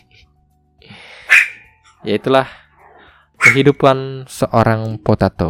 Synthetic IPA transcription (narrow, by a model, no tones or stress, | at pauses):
jait̪ulah | kəɦidupansəʔoɾaŋpot̪at̪o